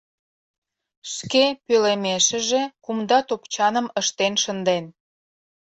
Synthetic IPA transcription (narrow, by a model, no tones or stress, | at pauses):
ʃkepølemeʃə̆ʒekumd̪ɑt̪opt͡ɕɑnəməʃt̪enʃənd̪en